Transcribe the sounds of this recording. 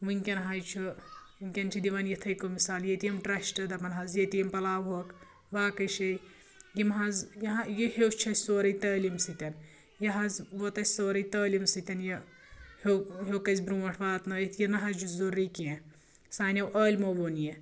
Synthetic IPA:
ʋɨŋʲkʲɐnɦɐjt͡ʃʰu | iŋʲkʲɐnt͡ʃʰid̪iʋɐnjɐt̪ʰɐjkomisaːljet̪ijɐmʈɾɐʃʈɐd̪ɐpɐnɦɐzjet̪ijɐmpɐlaːʋɦok | ʋaːkɐjʃɐj | ɡimɦɐzjɐɦɐjehewt͡ʃʰɐsoːɾɐjt̪ɐːlʲimsɨt̪ʲɐn | jɐɦɐzʋot̪ɐsoːɾɐjt̪ɐːlʲimsɨt̪ʲɐnjɐ | hoɦoːkɐzʲbɾũːɐʈʰʋaːt̪nɐjit̪ʰjɐnɐɦɐzd͡ʒuzorːikiẽ | saːnʲɐwʔɐːlʲmoʋoːnje

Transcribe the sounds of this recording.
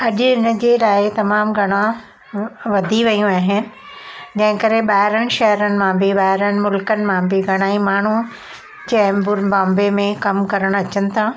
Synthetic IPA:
ɐʄʊɪnə̆d͡ʑeːlaːɪt̪ɐmaːmɡʱɐɽ̃ã | ʋɐd̪ʱiʋɐjũaːɦɪnɪ̆ | d͡ʑɐ̃ɦɪ̃kɐɾeɓaːɪɾəɽ̃ɪ̆ʃɐɦəɾənɪ̆mãbʱɪɓaːɦɪɾənɪ̆mʊlkənɪ̆mãbʱɪɡʱɐɽ̃aːimaːɳ̤u | d͡ʑɐ̃bʊɾbãːmbemẽkɐmkɐɾəɽ̃ɐt͡ɕənɪ̆t̪ʰaː

